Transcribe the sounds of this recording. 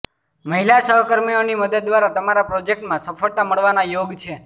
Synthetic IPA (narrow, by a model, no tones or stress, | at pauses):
məɦilaʃəɦəkəɾmioniməd̪əd̪̚ːʋaɾat̪əmaɾapɾod͡ʒek̚ʈmãsəfʰəɭt̪aməɭʋanajoɡt͡ʃʰe